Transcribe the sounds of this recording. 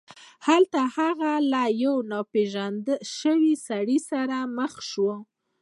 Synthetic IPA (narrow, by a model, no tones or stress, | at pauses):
halt̪ahaɣalajawnɑpeʒand̪ʃəwisaɽisaɾaməxʃwə